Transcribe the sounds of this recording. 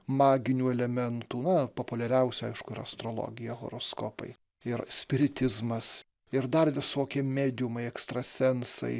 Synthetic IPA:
mɑːɡʲɪnʲuːɛlʲɛmʲɛnt̪uːnɐpoːpʊlʲɛɾʲɛʊsʲuɐɪʃkʊɪɾɐ̰st̪ɾolˠo̰ːɡʲɪjɛɣo̰ːɾoːskoːpɐ̰ɪ | ɪɾsʲpʲɪɾʲɪt̪ʲɪzmɐs | ɪɾd̪ɐrʋʲɪsoːkʲiɛmʲæːd̪ʲɪʊmɐɪɛkst̪ɾɐsʲɛnsɐ̰ɪ

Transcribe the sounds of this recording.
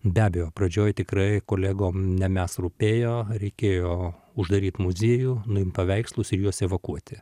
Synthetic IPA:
bʲæːbʲɛjoːprɐd͡ʒʲoːjt̪ʲɪkɾɐɪkoːlʲæːɡoːmnʲɛmʲæsruːpʲeːjoːɾʲɛɪkʲeːjoː | ʊʒd̪ɐɾʲiːt̪mʊzʲiɛjuːnʊɪmpɐʋʲɛɪkslˠʊsɪrjuɔsɛːʋɐkuɔt̪ʲɪ

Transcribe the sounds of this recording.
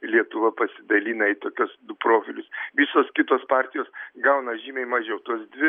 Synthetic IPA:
lʲiɛt̪ʊʋɐpɐsʲɪd̪ɐlʲiːnɐɪt̪oːkʲʊsd̪ʊpɾoːfʲɪlʲʊsʋʲɪsoːskʲɪt̪oːspɑːɾʲt̪ʲɪjoːsɡɐʊnɐʒʲiːmʲɛɪmɐʒʲɛʊt̪uɔsd̪ʲʋʲɪ

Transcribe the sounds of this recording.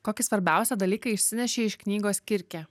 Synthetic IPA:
koːkʲɪsʋɐɾʲbʲæˑʊsʲɛd̪ɐlʲiːkɐɪɪʃʲsʲɪnʲɛʃʲeːɪʃknʲiːɡoːskʲɪɾʲkʲɛː

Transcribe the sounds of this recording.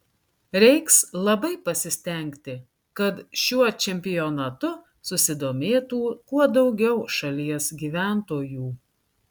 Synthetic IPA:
ɾʲɛɪkslˠɐbɐɪpɐsʲɪsʲt̪ʲɛˑŋʲkt̪ʲɪ | kɐt̪ʃʲuɔt͡ʃʲɛmʲpʲɪjonɐt̪ʊ | sʊsʲɪd̪oːmʲeːt̪uːkuɔd̪ɒʊɡʲɛʊʃɐlʲiɛsɡʲiːʋʲæˑnt̪oːjuː

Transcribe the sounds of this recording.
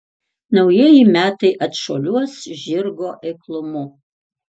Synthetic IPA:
nɐʊjiɛjimʲæːt̪ɐɪʔɐt̪ʃoːlʲuɔsʒʲɪɾɡoːʔɛɪklˠʊmʊ

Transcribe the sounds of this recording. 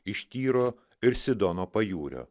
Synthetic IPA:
ɪʃʲt̪ʲiːɾoː | ɪɾsʲɪd̪ɔnoːpɐjuːɾʲo̰ː

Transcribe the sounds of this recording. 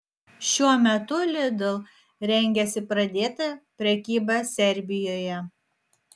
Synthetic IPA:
ʃʲuɔmʲɛt̪ʊlʲɪd̪ʊlˠ | ɾʲɛŋʲɡʲɛsʲɪpɾɐd̪ʲeːt̪ɐpʲɾʲɛkʲiːbɑsʲɛɾʲbʲɪjoːjɛ

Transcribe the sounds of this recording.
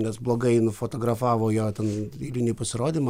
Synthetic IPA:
nʲɛsblˠoːɡɐɪnʊfoːt̪oːɡɾɐfɑːʋoːjoːt̪ʲɛnʲilʲinʲiːpɐsʲɪɾoːd̪ʲimɐ

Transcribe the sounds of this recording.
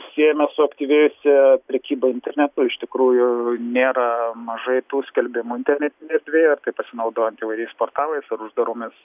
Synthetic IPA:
sʲiɛjɛmʲɛsʊɐkt̪ʲiʋʲɛjʊsʲɛpʲɾʲɛkʲiːbɐɪnʲt̪ʲɛrʲnʲɛt̪ʊɪʃt̪ʲɪkɾuːjʊnʲeːɾɐmɐʒɐɪt̪uːsʲkʲɛlʲbʲɪmuːɪnʲt̪ʲɛrʲnʲɛt̪ʲɪnʲɛɛɾʲd̪ʲʋʲeːjɐrt̪ɐɪpɐsʲɪnɐʊd̪oːjɛnt̪ɪʋɐɪɾʲɛɪspoːrt̪ɑːlˠɐɪsɐɾʊʒd̪ɐɾʊmʲɪs

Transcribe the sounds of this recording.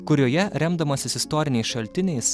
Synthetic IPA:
kʊɾʲoːjɛɾʲɛmd̪ɐmoːsʲɪsɪst̪oːɾʲɪnʲɛɪsʃɐlʲt̪ʲɪnʲɛɪs

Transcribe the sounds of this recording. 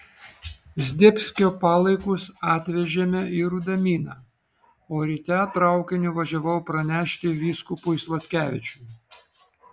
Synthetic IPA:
zʲd̪ʲɪpʲsʲkʲoːpɑːlˠɐɪkʊsɑːt̪ʲʋʲɛʒʲeːmʲɛɪɾud̪ɐmʲiːnɑ | oːɾʲit̪ʲæːt̪ɾɐˑʊkʲɪnʲʊʋɐʒʲɛʋɐʊpɾɐnʲæːʃʲt̪ʲɪʋʲiːskʊpʊɪslˠɐt̪ʲkʲæːʋʲɪt͡ʃʲuː

